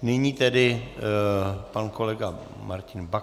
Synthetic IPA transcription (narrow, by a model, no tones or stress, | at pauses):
nɛɲiːt̪ɛdɪ | pankolɛɡa | maɾcɪnba